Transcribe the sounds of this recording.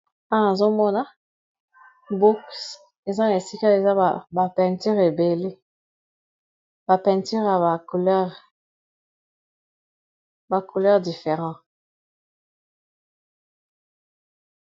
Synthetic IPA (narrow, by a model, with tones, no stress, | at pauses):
ã˦na˨zo˦mɔ˦na˦ | bu˦ks | e˨za˦ne˨si˦ka˦e˨za˦˨ba˨pɛ̃˨ty˦ʁe˨be˨le˦ | ba˨pɛ̃˨nty˦ʁja˨ba˨ku˨lɛ˦ʁ | ba˨ku˨lœ˦ʁdi˨fe˨ʁɑ̃˦